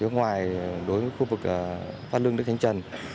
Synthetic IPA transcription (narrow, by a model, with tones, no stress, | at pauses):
i˨˦˥ək̚ŋwaː˨˩jɗo˨˦jvːjxu˧vɨ˨˩k̚ːfaː˧˥lɨ˧ŋnɨ˦˥k̚hʰŋ̟t͡ɕə˨˩n